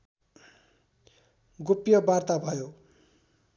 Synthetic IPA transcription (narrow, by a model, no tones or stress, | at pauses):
ɡupjʌbart̪abʱʌjo